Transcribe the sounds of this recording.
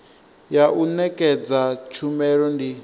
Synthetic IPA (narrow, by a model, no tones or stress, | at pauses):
jaʔunɛkʼɛd͡zat͡ʃʰumɛɺɔndi